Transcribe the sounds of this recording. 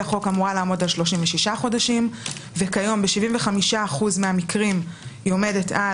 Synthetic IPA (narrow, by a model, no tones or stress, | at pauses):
aχo̞kamuʁalaːmo̞dalʃlo̞ʃimveʃiʃaχo̞daʃimve̞kajo̞mbeʃiviɱveχamiʃaːχuzmeamikʁimjome̞de̞tʰa